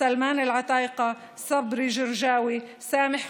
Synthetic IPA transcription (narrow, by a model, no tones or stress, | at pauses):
almaːnɪlʕɑt̪ˤɑːʔqɑ | sɑbɾiʒɪɾʒaːwi | saːmɪħ